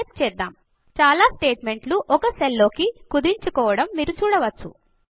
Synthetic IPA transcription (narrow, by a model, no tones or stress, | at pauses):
t̪̚t͡ʃɛːd̪ːaːm | t͡ʃaːlaːsʈe̞ːʈme̞ɳʈluʔɔkɐselːo̞ːkikud̪iɲt͡ʃukɔːʋɐɽɐmːiːɾut͡ʃuːɽɐʋɐt͡ʃːṵ